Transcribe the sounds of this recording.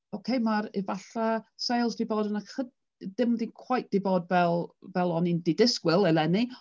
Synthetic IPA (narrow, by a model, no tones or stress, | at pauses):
okʰejmaɾɪvaɬasejlˠzdiboːdənaχəd | dɪmdinkʰw̥ajθ̚d̥iboːdvɛlˠvɛlˠɔnindidɪskwɪlˠɛlɛni